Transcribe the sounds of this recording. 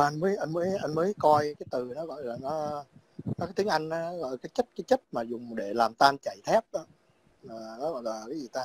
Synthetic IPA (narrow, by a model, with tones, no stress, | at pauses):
ʔa˧nməː˨˦jʔa˧nməː˨˦jʔa˧jnməː˨˦jkɔ˧jkaː˨˦jt̪ɨ˨˩nɔ˨˦ɣɔ̰˧˨jlaː˨˩nɔ˨˦ | nɔ˨˦kaː˨˦t̪ʰi˨˦əŋʔa˧jŋ̟ʔaː˨˦nɔ˨˦ɣɔ̰˧˨kaː˨˦jt͡ɕə˦˥t̚kaː˨˦jt͡ɕə˦˥t̚maː˨˩zʊ˨˩ŋ͡mɗe˧˩laː˨˩mt̪aː˧nt͡ɕa˧˩˨jt̪ʰɛ˦˥p̚ɗɔ˨˦ | aː˨˩nɔ˨˦ɣɔ̰˧˨jlaː˨˩kaː˨˦jzi˨˩t̪aː˧